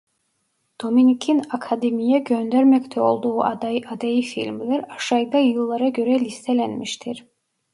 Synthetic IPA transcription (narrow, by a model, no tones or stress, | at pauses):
d̪̥ominikʰinakʰad̪emijɛɟønd̪æɾmɛct̪ʰɛo̞lˠd̪uːʔad̪ad̪ajifḭlʲmlʲæɾaʃajd̪ajɯlˠːaɾaɟø̞ɾɛlʲist̪ʰɛlʲænmiʃt̪ʰiɾ